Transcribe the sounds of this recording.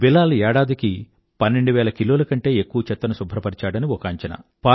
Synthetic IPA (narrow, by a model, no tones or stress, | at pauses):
bilːaːluɛːɽaːd̪iki | pɐnːe̞ɳɖuʋɛːlɐkiloːlɐkɐɳʈe̞ːekːuʋɐt͡ʃɛt̪ːɐnɐsubʱɐɾɐpɐɾit͡ʃaːɽɐniɔkaːɲt͡ʃɐnɐ̰paː